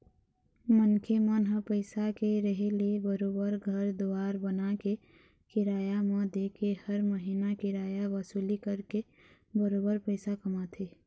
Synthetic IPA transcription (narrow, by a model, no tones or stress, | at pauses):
mənkʰemənɦəpəɪsakeɾəɦelebəɾoːbəɾɡʱəɾd̪oaːɾbənake | kɪɾaːjamə̃d̪ekehəɾməɦinakɪɾaːjaʋəsulikəɾke | bəɾoːbəɾpəɪsakəmat̪ʰɦeː